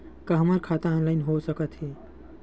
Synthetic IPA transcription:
kəɦəməɾkʰat̪aɔnlaɪnɦosəkət̪ɦi

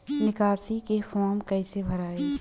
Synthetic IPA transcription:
nɪkaːsikefɔːɾmkɐisebʱɐɾaːeː

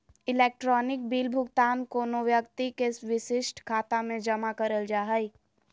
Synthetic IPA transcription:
ɪleːk̚ʈɾɔːnɪk̚biːlbʱʊɡt̪aːnkoːnoʋjəkt̪ikesʋɪʃɪʃʈkʰaːt̪amẽd͡ʒɐmakɐɾəld͡ʒaːɦəi

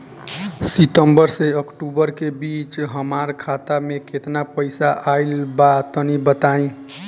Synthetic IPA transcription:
sit̪əmbəɾseəkʈubəɾkebit͡ʃɦəmaɾkʰat̪amekʰet̪napəɪsaʔailbat̪ənibət̪aĩ

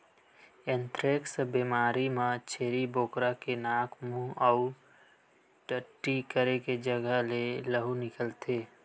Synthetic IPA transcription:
ẽnt̪ɾeksbimaːɾimãt͡ʃʰeːɾiboːkɾakenaːkʰmũɔʊ | ʈəʈːikəɾeked͡ʒəɡəɦleləɦunɪkəlt̪ʰeː

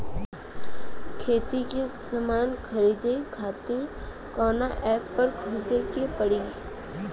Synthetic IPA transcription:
kʰeːt̪ikesɐmaːnkʰəɾiːd̪ekʰaːt̪ẽ | kɔːnaʔɛːpːɐɾkʰʊːzekepəɽiː

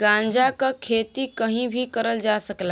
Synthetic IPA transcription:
ɡãːnd͡ʒakakʰeːt̪ikəɦĩbʱikəɾəld͡ʒasəkla

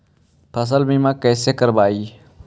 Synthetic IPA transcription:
pʰɐs̬əlmĩmãːkɛːsekəɾbaːiː

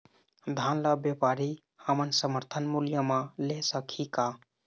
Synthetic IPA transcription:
d̪ʱanləbjepaɾi | həmənsəməɾt̪ʰənmuljəmalesəkʰika

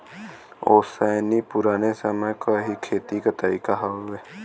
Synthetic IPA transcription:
oːsəːnipʊɾaːnesəməkaɦikʰeːt̪ikət̪aːikaɦaʋeː

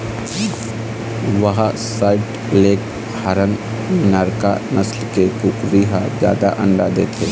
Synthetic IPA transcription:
ʋəɦasaːɪʈ | leːk̚ | haɾən | mɪnaːɾka̰nəslkekukɾiɦazja̰ːd̪aʔə̃ɳɖad̪eːt̪ʰeː

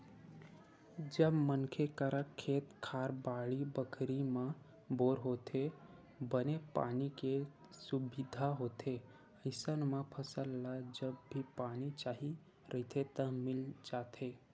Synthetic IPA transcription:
d͡ʒəbmənkʰekəɾəkʰːet̪kʰaɾbaɭibəkʰɾimã | boɾɦot̪ʰe | bənepa̰nike | subid̪ʱaɦot̪ʰe | əɪsənməpʰəsəlːad͡ʒəbːipanit͡ʃaɦi | ɾʔəɦt̪ʰet̪əɦmild͡ʒat̪ʰe

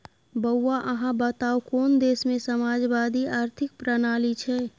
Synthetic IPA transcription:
bəwːaʔəɦãbət̪aːukɔːnd̪eːsmẽsəmaːd͡ʒʋaːd̪iaːɾt̪ʰɪk̚pɾənaːlit͡ʃʰɛ

